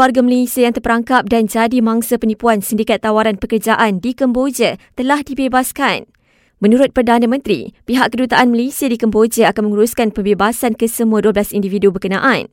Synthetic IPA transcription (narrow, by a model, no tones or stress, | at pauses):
kwarɡaməlesiajaŋt̪ərpəɾaŋkap̚dand͡ʒadimãŋsapənipuansəndikat̪ːawaɾanpəkərd͡ʒaʔandikəmbod͡ʒət̪əlahdibebaskan | mə̃nuɾʊt̪̚pərdanãmə̃nt̪ɾḭpiɦaʔkədut̪aʔanməlesiadikəmbod͡ʒəakanməŋuɾuskanpəmbebasankəsəmũaduəblasindividubərkənã̰ʔã̰n